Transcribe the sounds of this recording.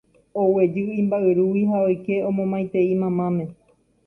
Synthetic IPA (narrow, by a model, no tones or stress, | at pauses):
owe̞d͡ʒɨĩmbaʔɨɾuwiɦaojke̞õmõmãj̃t̪e̞imãmãmẽ